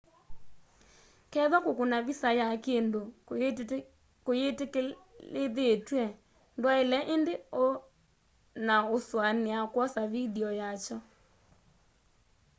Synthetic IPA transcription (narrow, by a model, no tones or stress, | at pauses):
kɛðɔkokunavisajakendo | kojetlɪd̪etwɛ | ndwaɪlɛʔɪndɪo | naoswanɪakwɔsavidiɔjat͡ʃɔ